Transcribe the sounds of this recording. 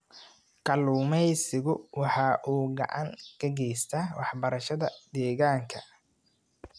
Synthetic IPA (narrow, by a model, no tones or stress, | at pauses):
kʰɐluːmɛjsɪɣʊwɑħɑːʔuːɡɐ̰ʕɑ̰ŋkʰɐɡɛjst̪ʰɐwɑħbɐɾɐʃɐðɐd̪ɛːɣaːŋkʰɐ